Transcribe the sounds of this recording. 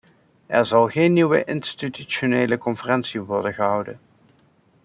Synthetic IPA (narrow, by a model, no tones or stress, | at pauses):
ʔɛɹzɑlˠχejnːiwə̰ʔɪnstityʃoneːjləkɔnfərɛnsiʋɔɹdənχəɦɑwdən